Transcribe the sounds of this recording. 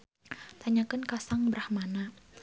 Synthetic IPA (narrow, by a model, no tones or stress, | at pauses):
t̪aɲakənkasaŋbəɾahmana